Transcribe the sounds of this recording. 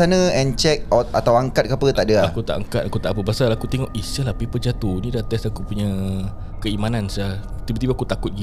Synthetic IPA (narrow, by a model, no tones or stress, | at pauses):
anə̃ɛnt͡ʃɛk̚ɔt̪at̪awaŋkat̪̚kapət̪aʔdəaakut̪a̰ʔaŋkat̪akut̪aʔapəbasalakut̪ɛŋɔʔisalahpipəd͡ʒat̪unĩdat̪ɛsakupuɲa | kəimanansat̪ibat̪ibaakut̪akʊt̪̚ɡi